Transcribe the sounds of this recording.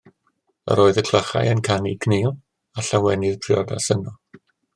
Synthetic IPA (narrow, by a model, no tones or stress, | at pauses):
ə̰ɾoːɨðəkʰlˠəχa̰jənkʰanikʰnelˠ | aɬawɛnɪðpʰrɪɔdasənɔ